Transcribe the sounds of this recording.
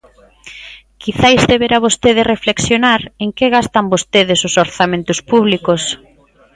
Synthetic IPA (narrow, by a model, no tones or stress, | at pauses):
kʰiθajzðeβeɾaβost̪eðɪrefleksjonaɾeŋkeɣast̪ambost̪eðɪsʊsoɾθamẽnt̪ʊspuβ̞likos